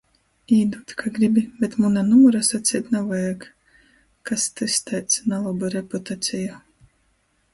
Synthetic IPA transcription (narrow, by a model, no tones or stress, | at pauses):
iːd̪ut̪kʰaɡɾibʲibʲɛt̪munanuɔɾasat̪sʲit̪ʲnavajak | kast̪ɨst̪ɛt̪snalˠɔbɨɾeput̪at̪sʲija